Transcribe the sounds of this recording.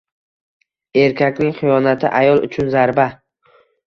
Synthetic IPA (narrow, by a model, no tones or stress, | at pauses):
e̞ɾkʲakʲnɪŋχɨjɒnat̪ʰɪ̰ʔajɒlˠʊ̰t͡ʃʰʊnzaɾba